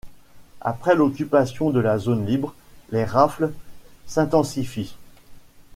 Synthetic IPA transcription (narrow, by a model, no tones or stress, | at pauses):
a̰pχɛlɔkʲypasjɔ̃d̪əlazonlibʁleʁaflsɛ̃t̪ɑ̃sifi